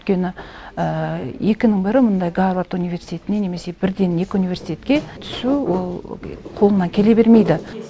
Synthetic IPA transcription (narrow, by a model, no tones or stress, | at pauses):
ʏʏt̪kʲe̞nɪəje̞kʲɪnɪŋbɪɾɪmʊnd̪ɑjɡavat̪univʲe̞ɾsi̥t̪ʰʲe̞t̪ɪne̞ne̞me̞se̞bɪɾd̪e̞ne̞kʲɪunijvʲe̞ɾsit̪ʲe̞t̪kʲe̞t̪ʰʏ̥suwo̞lˠqʰolˠənɑkʲʰe̞le̞be̞ɾme̞jd̪ɪ